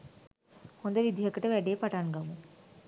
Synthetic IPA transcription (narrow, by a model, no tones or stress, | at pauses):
kond̪ɐʋid̪ʱijɐkɐʈɐʋɛɖeːpɐʈaːnɡɐmu